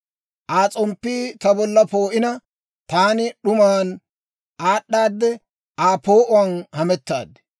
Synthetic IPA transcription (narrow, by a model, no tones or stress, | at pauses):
ʔaːt͡sʼɔmpːiːt̪ɐbɔlːɐpoːʔɪnɐ | t̪aːnɪɗʊmaːn | aːɗːaːd̪ːɛ | aːpo̞ːʔʊwɐnhɐmɛt̪ːa̰ːd̪